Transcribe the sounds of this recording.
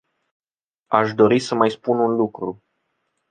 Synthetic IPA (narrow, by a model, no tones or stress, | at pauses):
aʃd̪o̞ɾisəmajspununlukɾu